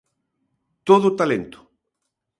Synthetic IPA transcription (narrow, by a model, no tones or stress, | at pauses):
t̪oðot̪alẽnt̪ʊ̥